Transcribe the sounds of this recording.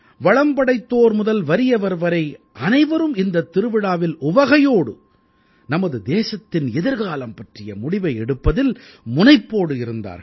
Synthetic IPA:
ʋɐɻɐmbɐɽɐɪt̪ːoːɾmʊðɐlʋɐɾɪjɐʋɐɾʋɐɾɐɪʔɐnɐɪʋɐɾɯmɪnd̪ɐt̪ːɪɾɯʋɪɽaːʋɪlʊʋɐɣɐjoːɽɯ̰ | nɐmɐðɯd̪eːsɐt̪ːɪnɛðɪɾɣaːlɐmpɐʈrɪjɐmʊɽɪʋɐɪɛɽɯpːɐðɪl | mʊnɐɪpːoːɽɯɪɾɯnd̪a̰ːɾ

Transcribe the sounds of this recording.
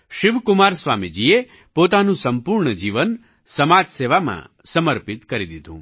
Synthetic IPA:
ʃiʋkumaɾsʋamid͡ʒie | pot̪anũsəmpuɾɳəd͡ʒiʋən | səmad͡ʒseʋamã̰ | səməɾpit̪kəɾid̪id̪ʱṵ̃

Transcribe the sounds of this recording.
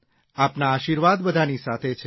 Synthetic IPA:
apnaːʃiɾʋad̪bəd̪ʱanisat̪ʰet͡ʃʰe

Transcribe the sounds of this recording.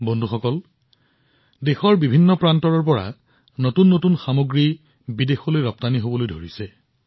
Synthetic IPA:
bondʱuxɔkɔl | dexɔɹbibʱinːɔpɹantɔɹɔɹp̬ɔɹa̰ | notunːotunxamoɡɹi | bidexɔlojɹɔp̚taniɦobɔlojdʱoɹisɛ

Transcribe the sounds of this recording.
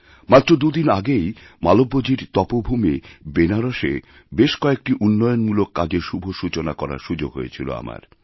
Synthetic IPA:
mat̪ːɾod̪ud̪inaɡejmalobːod͡ʑiɾt̪ɔpobʱumibenaɾoʃḛ | beʃkɔek̚ʈiʔunːɔjonmulokːad͡ʑeɾʃubʱoʃut͡ɕonakɔɾa̰ʃud͡ʑoɡɦo̰jḛt͡ɕʰilo̰a̰ma̰ɾ

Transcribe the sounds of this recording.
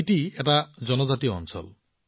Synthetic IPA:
iʈieʈad͡ʒɔnɔd͡ʒat̪iɔɔ̰nsʰɔ̰l

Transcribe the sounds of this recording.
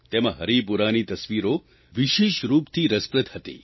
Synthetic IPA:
t̪emɐɦɐɾipuɾaːnit̪ɐsʋiːɾo | ʋiʃeːʃɾuːpt̪ʰiɾəspɾət̪hət̪ḭː

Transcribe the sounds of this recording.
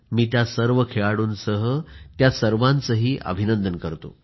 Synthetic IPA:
miːt̪jasəɾʋəkʰeɭaɽuːnsəɦət̪jasəɾʋãnt͡səɦiːʔə̰bʱinənd̪ənkəɾt̪o̰

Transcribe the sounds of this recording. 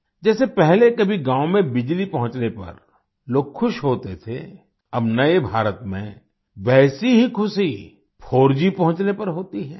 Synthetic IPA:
d͡ʒɛːsepɛɦlekɐbʱiɡãːʊ̃mẽbɪd͡ʒlipɐɦʊ̃t͡ʃnepɐ̰ɾ | loːɡxʰʊʃɦoːt̪et̪ʰḛ | ɐbnɐebʱaːɾət̪mḛ̃ | ʋɛːsiɦikʰʊsi | pʰoːɾd͡ʒipɐ̃ɦʊ̃t͡ʃnepɐɾɦoːt̪iɦɛː

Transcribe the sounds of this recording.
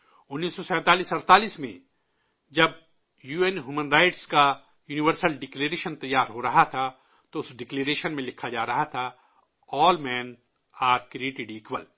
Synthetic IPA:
ʊnːiːsːɔsɛ̃ːt̪aːliːsɐɾt̪aːliːsmḛ̃ | d͡ʒɐb | juːenɦuːmənɾaːɪʈska | juːnɪʋəɾsəlɖɪkleːɾeːʃənt̪ɐjːaːɾɦoɾɐɦat̪ʰa | t̪oʊsɖɪkleːɾeːʃənmẽlɪkʰːad͡ʒaːɾɐɦat̪ʰa | ɔːlmɛ̃ːn | aːɾkɾieːʈɪɖiːkʋəl

